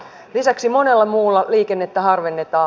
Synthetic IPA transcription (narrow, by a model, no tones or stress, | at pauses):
lisæksimo̞ne̞lːɑmuːlːɑliːke̞nːe̞t̪ːæɦɑrʋenːet̪ɑː